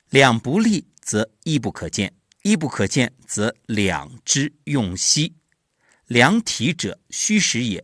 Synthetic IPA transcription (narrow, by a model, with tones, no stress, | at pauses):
ljɑ˨˩ŋpu˧˥li˥˩ | t͡sɤ˧˥ | i˥˧p̬u˥˩kʰɤ˨˩t͡ɕjɛ̰˥˩n | i˥˧p̬u˥˩kʰɤ˨˩t͡ɕjɛ˥˩nt͡sɤ˧˥ljɑ̰˨˩ŋʈ͡ʂɻ̩˥jʊ˥˩ŋɕi˥ | ljɑ˧˥ŋt̪ʰi˧˥ʈ͡ʂɤ̰˨˩˦ɕy˥ʂɻ̩˧˥jɛ̰˨˩˦